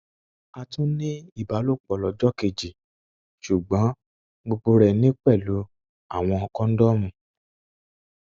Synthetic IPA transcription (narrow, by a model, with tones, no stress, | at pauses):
a˧tũ˦nĩ˦i˦˨ba˨˦lo˦˨k͡pɔ˨lɔ˨d͡ʒɔ˦ke˨d͡ʒi˨ | ʃu˨ɡ͡bɔ̃˨˦ | ɡ͡bo˧ɡ͡bo˧ɾɛ˨nĩ˦k͡pɛ˦˨lo˨˦ | a˦˨w̃ɔ̃˧ɔ˧kɔ̃˦n̩˦dɔ˦mũ˧˨